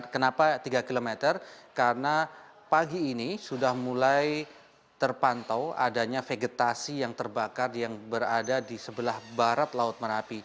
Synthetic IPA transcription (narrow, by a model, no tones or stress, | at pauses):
kənapat̪iɡakilomet̪ərkarna | paɡiːnisudahmulaj | t̪ərpant̪awa̰daɲafeɡet̪asijaŋt̪ərbakarjaŋbəradadisəbəlahbaɾat̪laʊt̪̚məɾapi